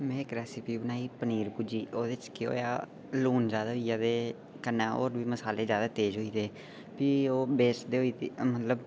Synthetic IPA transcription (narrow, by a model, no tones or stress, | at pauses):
mɛ̃ːkɾɛːsipiːbənaːiːpəniːɾpuːd͡ʒiːoːd̪eɪt͡ʃkɪo̰ːja̰ː | luːnd͡ʒjaːd̪aːɦiːjaːd̪eː | kənːaːo̰ːɾbiːməsaːleːzjaːd̪aːt̪eːd͡ʒɦoːiːd̪eː | pioːbeːsd̪eːoiːt̪iːmət̪ləb